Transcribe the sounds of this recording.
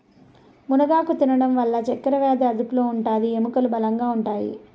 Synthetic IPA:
munɐɡaːkut̪inɐɽɐmʋɐlːɐt͡ʃɛkːɐɾɐʋɛːd̪ɐɐd̪upulo̞ːuɳʈaːd̪iemukɐlubɐlɐŋɡaːuɳʈaːjḭ

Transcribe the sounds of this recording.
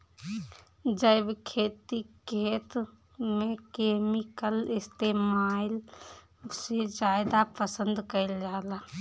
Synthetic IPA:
d͡ʒəɪbkʰeːt̪ikʰet̪ | mẽkemikəlɪst̪emaɪl | sed͡ʒajd̪apəsənd̪kəɪld͡ʒaːla

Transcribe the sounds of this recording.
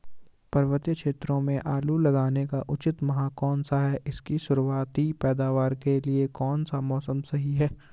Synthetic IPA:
pɐɾʋət̪jəkʃeːt̪ɾõmẽʔaːlulɐɡaːnekaʔʊt͡ʃɪt̪mɐɦaːkɔːnsaɦɛʔɪskisʊɾwaːt̪ipɛːd̪aːʋaːɾkeliekɔːnsamɔːsəmsɐɦiɦɛː

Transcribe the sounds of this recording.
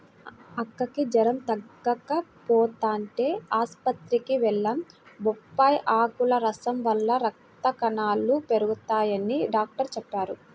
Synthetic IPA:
ɐkːɐkid͡ʒɐɾɐmt̪ɐɡɐkɐpɔːt̪aːɳʈe̞ːaːspɐt̪ɾikiʋɛɭːɐmbɔpːaːjʔaːkulɐɾɐsɐmʋɐlːɐɾɐk̚t̪ɐkɐnaːlːupe̞ɾuɡut̪aːjɐniɖaːk̚ʈɐɾt͡ʃɛpːaːɾu

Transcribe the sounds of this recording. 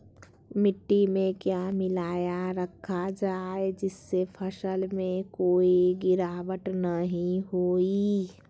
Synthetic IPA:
mɪʈːimẽkjaːmɪlaːjaɾəkʰːad͡ʒaːed͡ʒɪsːepʰəʃəlmẽkoːiɡɪɾaːʋəʈnəɦĩɦoːi

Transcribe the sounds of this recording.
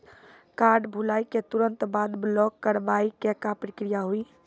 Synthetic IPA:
kaɾɖbʱulaiket̪uɾə̃nt̪bad̪blɔkːəɾʋaikekapɾikɾijaɦui

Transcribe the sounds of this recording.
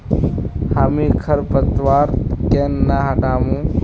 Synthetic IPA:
haːmĩːkʰəɾpət̪ʋaːɾt̪keːnːaɦaɖaːmũː

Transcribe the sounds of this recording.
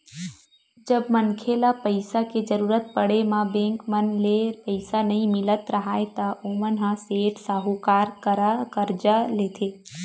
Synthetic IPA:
d͡ʒəbmənkʰelapəɪsaked͡ʒəɾuːɾət̪̚pəɽemãbẽːŋkmənlepəɪsanɐɦĩmɪlət̪ɾɐɦaːet̪aʔomənɦãseːʈsaːɦukaːɾkəɾakəɾd͡ʒaleːt̪ʰeː

